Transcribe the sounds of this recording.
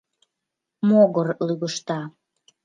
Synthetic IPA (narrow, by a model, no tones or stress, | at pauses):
moɣərlyɣəʃt̪ɑ